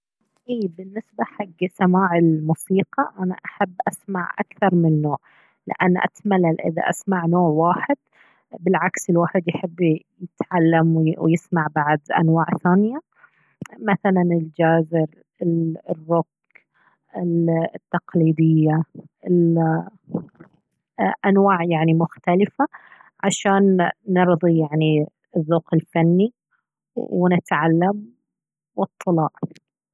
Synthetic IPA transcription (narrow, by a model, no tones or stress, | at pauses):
ʔiːbɪnːɪsbaħaɡːsamaːʕɪlmuːsiːqɑʔana̰ʔaħabːʔasmaʕʔa̰kθɑɾˤmɪnːoːʕ | lɪ̰ʔa̰nːʔa̰t̪malːalʔɪ̰ða̰ʔasmaʕnoːʕwaːħɪd̪̥̚ | bɪlʕaksɪlwaːħɪd̪jħɪbː | jɪt̪ʕalːamwwjɪsmaʕbaʕd̪ʔa̰nwaːʕθaːnɪja | maθalanɪld͡ʒaːzɪɾ | ɪlrːʊk̚ | ɪlt̪ːɑqliːd̪ɪjːaɪl | ʔanwaːʕjaʕnimʊxt̪alɪfa | ʕaʃaːnːɨɾðˤijaʕni | ðːoːqɪlfanːi | wnɪt̪ʕalːam | wɨt̪ˤːɨlɑːʔ